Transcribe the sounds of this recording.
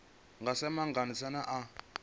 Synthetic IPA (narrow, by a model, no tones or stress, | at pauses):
ŋɡasɛmaŋɡanisanaʔa